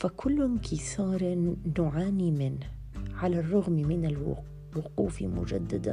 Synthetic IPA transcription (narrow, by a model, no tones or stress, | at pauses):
fakʰʊlːʊnkɪsɑːɾːʊʕaːnimɪnh | ʕalarˤːʊɣmmɪnɪlw̰ | wʊquːfḭmʊ̰d͡ʒad̪ːad̪a̰